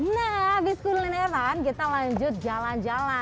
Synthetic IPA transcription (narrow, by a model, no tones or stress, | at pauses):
nɛɦwiskullineɾankit̪alaɲd͡ʒʊt̪̚d͡ʒaland͡ʒala